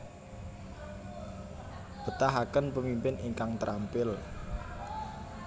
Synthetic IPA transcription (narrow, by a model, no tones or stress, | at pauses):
b̥ə̤t̪aɦakənpəmimpɪnʔiŋkaŋt̪əɾʔampɪl